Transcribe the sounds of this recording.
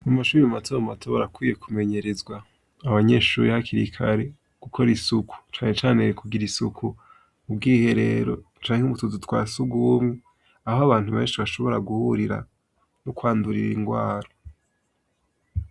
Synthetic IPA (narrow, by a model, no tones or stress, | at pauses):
amaʃuːɾimamatʰoːɾamatʰoβoɾakwiːje̞kʰume̞ɲe̞ɾe̞zɡwaː | βaɲe̞ːʃṵːɾihakiɾikʰaɾe̞ | ɡ̥ukʰo̞ɾisukʰu̥t͡ʃaːne̞t͡ʃaːnekuɡiɾisukʰu | ub̚ɡiːhe̞ɾe̞̰ːɾo̞̰ | t͡ʃaːŋeuβutuzutwaːsuɡumi | ahoaβaːn̥huβe̞ːnʃiβaʃo̞βo̞ɾaɡuhuɾiɾa̰ | nokwaːnduɾḭɾḭŋɡwaːɾo